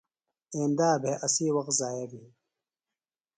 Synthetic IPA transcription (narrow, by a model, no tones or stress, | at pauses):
ẽːnd̪aːbʱeʔɐsiːwɐqt̪zaːjɐbiː